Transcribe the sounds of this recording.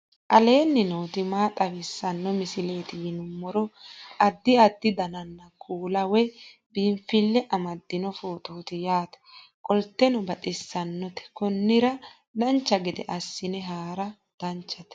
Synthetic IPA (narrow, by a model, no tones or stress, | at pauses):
ʔɐle̞ːnːɪnoːt̪ɪmaːt̪ʼɐwɪsːɐnːɔmɪsɪle̞ːt̪ɪjɪnʊmːɔɾɔɐd̪ːɪɐd̪ːɪd̪ɐnɐnːɐkʰuːlɐwɛ | biːmfɪlːɛʔɐmɐd̪ːɪnɔfoːt̪ʼoːt̪ɪjaːt̪ɐ̥ | kʼɔlt̪ːɛnɔbɐᶑɪsːɐnːɔt̪ɛ̥kɔnːɪɾɐ | d̪ɐnt͡ʃːɐɡɪd̪ɛ̰ʔɐsːɪnɛɦaːɾɐ | d̪̥ɐnt͡ʃːɐt̪